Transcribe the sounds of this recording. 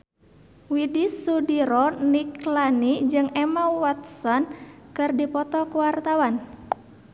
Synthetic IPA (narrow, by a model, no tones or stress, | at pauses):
widisudiɾɔniklanid͡ʒɨŋɛmawat̪̚sɔnkɨrdipɔt̪ɔkuwart̪awan